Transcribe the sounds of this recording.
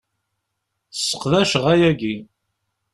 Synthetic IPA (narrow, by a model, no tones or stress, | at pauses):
θsːə̥qðæʃʁæjæɡi